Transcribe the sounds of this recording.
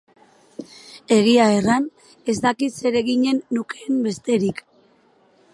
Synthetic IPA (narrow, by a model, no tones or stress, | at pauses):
e̞ɣ̞iae̞ran | e̞zd̪akit̪se̞ɾe̞ɣiɲe̞nːuke̞mbe̞st̪e̞ɾik